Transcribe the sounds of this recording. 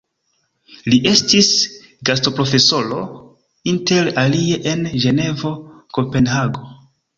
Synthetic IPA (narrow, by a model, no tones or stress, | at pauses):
liʔe̞stis | ɡasto̞pɾo̞fe̞so̞lo̞ | inte̞ɾalie̞ʔenʒe̞ne̞vo̞ | ko̞pe̞nhaɡo̞